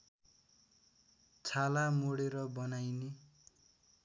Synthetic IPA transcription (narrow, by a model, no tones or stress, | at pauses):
t͡sʰalamoɽeɾʌbʌnajne